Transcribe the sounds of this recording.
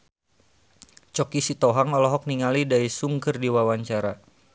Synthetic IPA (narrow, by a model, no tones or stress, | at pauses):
t͡ʃɔkisit̪ɔɦaŋɔlɔɦɔk̚niŋalidaisuŋkərdiwawaɲt͡ʃaɾa